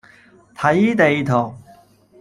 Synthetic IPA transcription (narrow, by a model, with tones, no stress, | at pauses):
t̪ʰɐ˨˥jt̪e˨˧jt̪ʰɔː˨˩ŋ̚